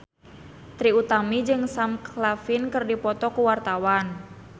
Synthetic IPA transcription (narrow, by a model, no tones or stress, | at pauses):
t̪ɾiut̪amid͡ʒɨŋsamklafinkɨrdipɔt̪ɔkuwart̪awan